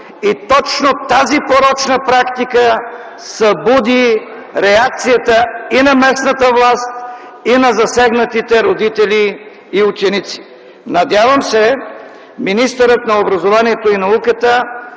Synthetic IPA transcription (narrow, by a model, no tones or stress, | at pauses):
it̪ɔt͡ʃnot̪azipoɾɔt͡ʃnəpɾakt̪ikə | sɐbud̪i | ɾɛak̚t̪sijət̪əinɐmɛsnət̪əvlˠast̪ | inɐzɐsɛɡnət̪it̪ɛɾod̪it̪ɛliː | ut͡ʃɛnit̪si̥ | nɐd̪ʲjavɐmsɛ | minist̪əɾət̪nɐobɾɐzovaniɛt̪oinɐukət̪ə